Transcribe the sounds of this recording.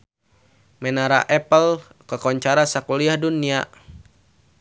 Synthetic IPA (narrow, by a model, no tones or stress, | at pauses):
mɛnaɾa̰ʔɛpəl | kəkɔɲt͡ʃaɾasakuliahdunia